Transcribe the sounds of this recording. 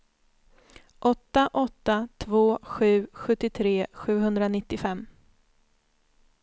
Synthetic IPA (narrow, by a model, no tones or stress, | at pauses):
ʔɔt̪ːaʔɔt̪ːat̪ʰvoːɧʉ̟ːɧɵt̪ːɪt̪ʰɾeːɧʉ̟ːɦɵnd̪ɾanɪt̪ːɪfɛmː